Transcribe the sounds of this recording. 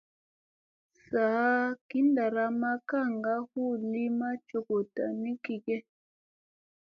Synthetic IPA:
sa˨˦ki˨˦nda˨ɾa˦ma˦ka˦˨ŋɡa˦hu˦˨li˦ma˦t͡ʃo˨ko˨ta˨mi˦ki˨kɛ˦

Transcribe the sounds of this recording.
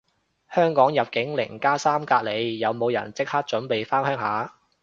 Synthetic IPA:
hœː˥ŋkɔː˨˥ŋjɐ˨p̚kɪ˨˥ŋlɪ̰˨˩ŋkaː˥saː˥mkaː˧k̚le˨˧jjɐ˨˧wmo˨˧wjɐ̰˨˩nt͡sɪ˥k̚haː˥k̚t͡ʃɵ˨˥npe˨jfaː˥ŋhœː˥ŋɦaː˨˥

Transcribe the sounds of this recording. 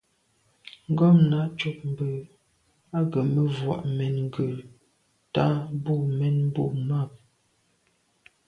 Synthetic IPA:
ŋ̩˦ɡɔ˦˨mna˦ʔt͡ʃu˦p̚m̩˨bə˨ | a˦ɡə˨mə˦vwɔ̰˨ʔmɛ˨nŋ̩˦ɡə˨ | ta˦bu˦˨mɛ˦n˦bu˦˨ma˦˨p̚

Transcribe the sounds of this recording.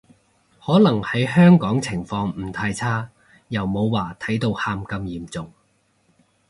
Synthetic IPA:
hɔː˨˥lɐ˨˩ŋhɐ˨˥jhœː˥ŋkɔː˨˥ŋt͡sʰɪ˨˩ŋfɔː˧ŋm̩˨˩t̪ʰaː˧jt͡sʰaː˥ | jɐ˨˩wmo˨˧wwaː˨˩t̪ʰɐ˨˥jt̪o˧whaː˧mkɐ˧mjiː˨mt͡sʊ˨ŋ

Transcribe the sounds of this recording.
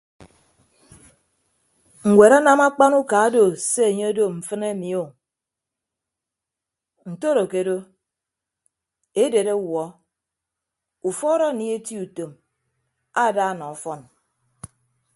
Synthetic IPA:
ŋ̩˨wʷe˨ɾa˦na˦ma˦k͡pa˦nu˦ka˨˦do˨se˦e˨ɲe˦do˦m̩˨fɨ˦ne˦mi˨o˦˨ | n̩˨to˦ɾo˨ke˨do˦ | e˦de˨ɾe˦wɔ˨˦ | u˨fɔ˦ɾɔ˦˨ni˦e˦ti˦u˨to˨m | a˦˨da˦˨nɔ˨ɔ˨fɔ˦n

